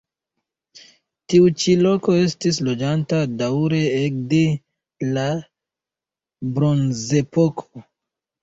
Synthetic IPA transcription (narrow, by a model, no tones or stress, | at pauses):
tiut͡ʃilo̞ko̞e̞stis̬lo̞d͡ʒantadawɾe̞ek̚de̞ | la | bɾo̞nze̞po̞kʰo